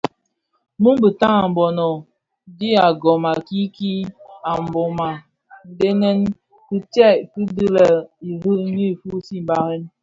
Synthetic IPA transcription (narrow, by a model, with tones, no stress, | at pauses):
mu˦m˦bi˨ta˦ŋa˨m̩˨bɔ˨nɔ˨ | di˦a˨ɡɔ˨ma˨ki˦ki˦a˨m˨bɔ˨ma˨ | n̩˨de˦nɛ˦n | ki˦tɛ˦˨ki˦di˦lə˨i˨vi˦ni˦˨fu˦si˦m˨ba˨ɾe˦n